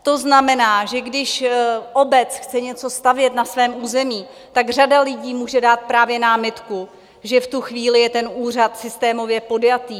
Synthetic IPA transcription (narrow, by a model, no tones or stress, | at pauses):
t̪o̞znamɛnaːʒɛɡdɪʃʔobɛt͡sxt͡sɛɲɛt͡so̞st̪avjɛt̪nasvɛːmuːzɛmiː | t̪aɡr̝adalɪɟiːmuːʒɛdaːt̪̚pɾaːvjɛnaːmɪt̪ku | ʒɛft̪uxviːlɪjɛt̪ɛnuːr̝at̪sɪst̪ɛːmo̞vjɛpo̞djat̪iː